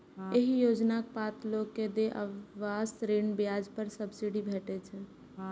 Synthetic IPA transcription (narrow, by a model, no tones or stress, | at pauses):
jeɦijoːd͡ʒnak̚paːt̪loːɡkːed̪eʔəːaːsɾeːnbjaːd͡ʒpəɾsəbsiɽibʱeːʈet͡ʃʰɛ̃